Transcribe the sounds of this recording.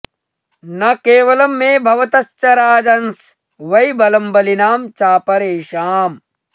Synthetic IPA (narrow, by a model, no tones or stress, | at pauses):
nɐkeːʋɐlɐmːeːbʱɐʋɐt̪ɐst͡ʃɐɾaːd͡ʒɐns | ʋɐjbɐlɐmbɐlinaːmt͡ʃaːpɐɾeːʃaːm